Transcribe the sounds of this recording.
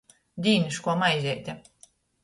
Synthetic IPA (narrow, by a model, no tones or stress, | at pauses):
d̪ʲiːnʲiʃkuɔmajzʲɛjt̪ʲɪ